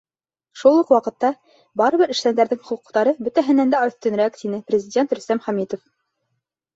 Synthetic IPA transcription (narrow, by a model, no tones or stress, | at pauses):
ʃulˠuqwɑqɤ̆t̪ːɑ | bɑɾɤ̆βɘɾɘ̆ʃt̪ænd̪æɾðɘŋχŭquqt̪ɑɾɤbɵ̆t̪æɦɘ̆nænd̪æɵ̆θt̪ɵ̆nɾækt̪inɘprʲɪzʲɪdʲent̪ɾɵ̆st̪æmχæmit̪of